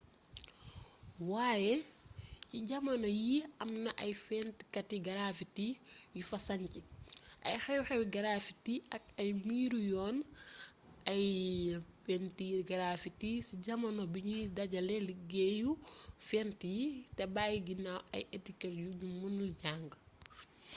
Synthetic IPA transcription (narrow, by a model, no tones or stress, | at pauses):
waːjɛ | ciɟɐmɐnɔjiɐmnɐʔɐjfɛnti̥kɐtiɡɐɾaːfitijufɐsɐɲciʔɐ̰jxɛjuxɛwiɡɐɾaːfitiɐk̚ɐjmiːɾujɔːn | ɐj | fɛntiɾɡɐɾafitisiɟɐmɐnɔbiɲudɐɟɐlɛliɡejufɛntijitɛbaːjiɡinːawɐ̰jetikɛɾjuɲumunulɟaːŋɡ